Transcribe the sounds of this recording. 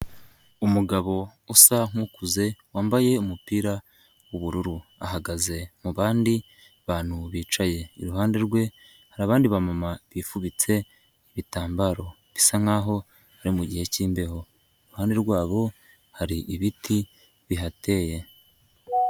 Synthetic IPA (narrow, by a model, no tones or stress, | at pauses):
umuɡaβo̞usaŋ̥ukuze̞waːmbaje̞umupiːɾa | wuβuɾuɾua̰ɦaɡaze̞muβaːndi | βaːn̥huβiːt͡ʃaje̞iɾuɦaːnde̞ɾɡwe̞ | haɾaːβaːndiβamamaβifuβit͡se̞ | iβitaːmbaɾo̞ | βisaŋ̥aːɦo̞ | haɾimuɟihe̞ciːmbe̞ho̞ | iɾuhaːnde̞ɾɡwaːβo̞ | haɾiʔiβitʰi | βiɦate̞je̞